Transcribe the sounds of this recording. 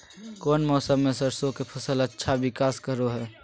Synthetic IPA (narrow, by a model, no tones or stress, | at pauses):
koːnmɔːsəmːẽsəɾsõkepʰəsələtːʃʰaʋɪkaːskəɾoɦɛː